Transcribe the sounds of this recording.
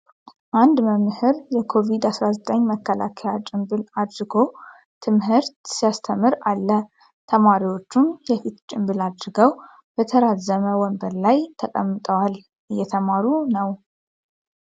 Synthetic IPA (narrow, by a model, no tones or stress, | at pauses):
ʔand̪məmhɨɾjɛkʰo̞vid̪asɾazət̪ʼəɲːməkːəla̰kʰəjat͡ʃʼɪmbɨlad̪ɾɨɡo̞w | t̪ʰɨmhɨɾt̪sijast̪ʰəmɨɾalːə | t̪ʰəmaɾiwo̞t͡ʃːumjɛfit̪t͡ʃʼɪmbɨlad̪ɾɨɡəw | b̥ət̪ʰəɾazəməwɔmbəɾlajt̪ʰəkʼəmːɨt̪ʼəwal | ʔɨjːɛt̪ʰəmaɾunəw